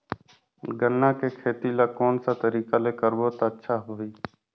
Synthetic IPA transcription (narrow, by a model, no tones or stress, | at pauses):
ɡənːãːkeːkʰeːt̪iːlaːkoːnsaːt̪əɾiːkaːleːkəɾboːt̪aːətːʃʰaːɦoːiː